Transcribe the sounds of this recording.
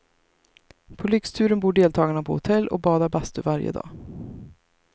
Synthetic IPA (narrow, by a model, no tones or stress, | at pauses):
pʰɔlʏkst̪ʰʉ̟ːɾənbuːɖeːlt̪ʰɑːɡanapʰɔ̰hʊt̪ʰɛlːʔɔ̰k̚bɑːd̪aɾbast̪ɵvaɾjə̰d̪ɑ̰ː